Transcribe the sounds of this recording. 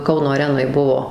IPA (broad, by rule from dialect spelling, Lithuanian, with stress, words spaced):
ˈkɐʊnoː ɐˈrʲæːnoːj ˈbuɔ